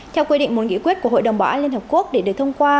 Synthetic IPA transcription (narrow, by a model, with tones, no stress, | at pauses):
t̪ʰɛ˧wkwi˧ɗḭ˧˨ŋ̟mo˨˩t̚ŋḭ˧˥kwi˦˥ət̚ku˧˩ɦo̰˧˨ɗə˨˩wŋ͡mɓaː˨˩ʔaː˧nli˧nhə˨˩pku˦˥ək̚ɗe˧˩ɗɨ˨˩k̚t̪ʰə˧wŋ͡mkwaː˧